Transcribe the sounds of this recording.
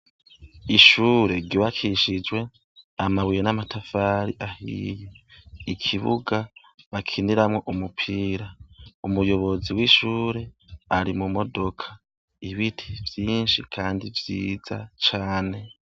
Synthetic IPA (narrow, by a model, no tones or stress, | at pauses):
iʃuːɾe̞ɾɟiβakʰiʃid͡ʒwe̞ | amaβujenamatʰafaɾiʔahḭjeikʰiβṵɡa | βakʰiniɾamŋo̞ʔumupʰiːɾaumujo̞βo̞ziwiʃuːɾe̞ | aɾimumo̞do̞kʰḁ | iβitʰi̥vjiːnʃikʰaːndivjḭːza̰t͡ʃaːne̞